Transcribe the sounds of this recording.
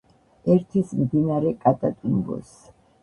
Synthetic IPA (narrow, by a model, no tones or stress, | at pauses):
ɛɾt̪ʰismd̪inaɾɛkʼat̪ʼat̪ʼimbɔ̰s